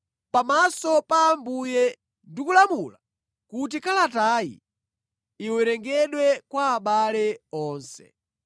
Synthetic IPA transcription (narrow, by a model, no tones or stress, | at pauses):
pamasɔpaːmbujɛ | ndikulamula | kut̬ikalataːjḭ | iwɛɾɛŋɡɛɗwɛkwaːɓalɛɔːnsɛ̥̰